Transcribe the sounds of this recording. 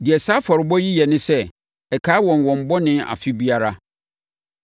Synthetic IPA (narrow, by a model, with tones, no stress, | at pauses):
dɪ˨ɛ˨sa˦fɔ˨ɾɪ˨bɔ˦ji˦jɛ˨nɪ̃˦sɛ˦ | ɛ˨kʰaː˦wɔ̃˨nwɔ̃˨m̩˨bɔ˦nɪ̃˦a̰˨fɪ˦bi˦a˦ɾa˦